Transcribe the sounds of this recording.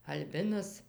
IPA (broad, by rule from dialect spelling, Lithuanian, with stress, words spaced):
ɐlʲˈbʲɪnɐs